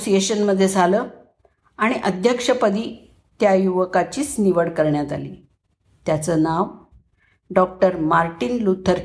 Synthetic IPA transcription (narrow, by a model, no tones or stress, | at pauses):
sijeɕənməd̪ʱːjed͡zaləː | aɽ̃iʔəd̪ʱjəkʂəpəd̪ʱiː | t̪jajuʋəkat͡ɕiːsniʋəɽkəɾɳjat̪aliː | t̪jat͡səːnaʋ | ɖɔk̚ʈəɾmaɾʈinlut̪ʰːəɾ